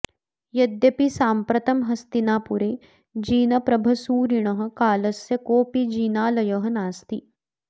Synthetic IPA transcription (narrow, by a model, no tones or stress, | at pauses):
jɐd̪jɐpisaːmpɾɐt̪ɐmɦɐst̪inaːpuɾeː | d͡ʒiːnɐpɾɐbʱɐsuːɾiɳ̃ɐɦɐ̆kaːlɐsjɐkoːpid͡ʒiːnaːlɐjɐɦɐnaːst̪i